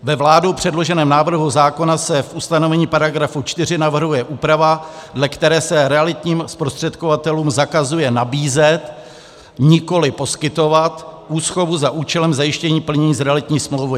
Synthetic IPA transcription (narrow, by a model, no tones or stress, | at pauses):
vɛvlaːdowpr̝̥ɛdlo̞ʒɛnɛːmnaːvr̩ɦuzaːko̞nasɛfʔust̪ano̞vɛɲiːpaɾaɡɾafut͡ʃt̪ɪr̝ɪnavr̩ɦujɛʔuːpɾavadlɛkt̪ɛɾɛːsɛɾɛalɪt̪ɲiːmspɾost̪r̝̥ɛt̪kovat̪ɛluːmzakazujɛnabiːzɛt̪ | ɲɪko̞lɪpo̞skɪt̪o̞vat̪ʔuːsxo̞vuzaʔuːt͡ʃɛlɛmzajɪʃcɛɲiːpl̩ɲɛɲiːzɾɛalɪt̪ɲiːsmlowvɪ